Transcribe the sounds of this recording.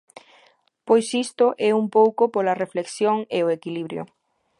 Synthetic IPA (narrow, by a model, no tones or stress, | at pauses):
pojsist̪ʊʔɛumpowkopolɐrefleksjoŋeoekiliβɾjo̰